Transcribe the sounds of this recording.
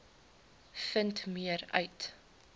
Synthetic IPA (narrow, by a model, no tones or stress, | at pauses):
fəntmiəɾœ̰ɥt